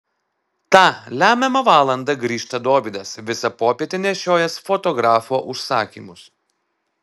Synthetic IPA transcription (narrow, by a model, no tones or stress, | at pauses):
t̪ɑːlʲæːmʲɛmɐʋɑːlˠɐnd̪ɐɡɾʲiːʃt̪ɐd̪oːbʲid̪ɐsʋʲɪsɐpoːpʲieːt̪ʲenʲɛʃʲoːjɛsfɔt̪ɔɡɾɑːfoːʔʊʃsɑːkʲḭːmʊs